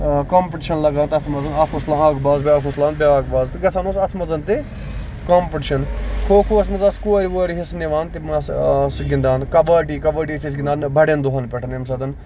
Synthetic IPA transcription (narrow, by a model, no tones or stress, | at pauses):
kaːmpʈiʃɐnlɐɡaːnt̪ɐt̪ʰmɐzɐnɐːkʰuslaːɦaːkbaːzbʲaːkʰuslaːnbeaːɡ̚baːzt̪ɡɐsʰaːnoːsɐt̪ʰmɐzɐnt̪e | kaːmpɪʈiʃɐnkʰoːkʰoːɐsmɐzaːskuɐɾiʋoɾiɦisneʋaːnt̪imɐssɡɪnd̪aːnkɐbaːʈiːkɐbɐːʈ̬iːsʰis̬ɡɪnd̪aːnbʱɐɽeɐnd̪oɦɐnpɛʈʰnemsɐːd̪ɐn